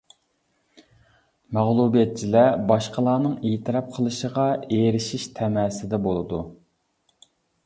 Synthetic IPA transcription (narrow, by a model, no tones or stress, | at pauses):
mæʁlˠubijɛt̪̚t͡ʃʰilɛbɑʃqʰəlˠɑːnɨŋeːt̪ʰɨɾɑp̚qʰəlˠɨʃəʁɑeɾɪʃiʃt̪ʰɛmɛsɪd̪ɛbolˠɨd̪u